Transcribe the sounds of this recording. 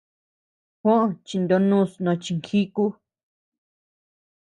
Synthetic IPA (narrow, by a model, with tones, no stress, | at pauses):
hʷõ˦ʔõ˧t͡ʃi˧nd̪o˧nũ˦snõ˧t͡ʃi˧ŋkʰi˦ku˦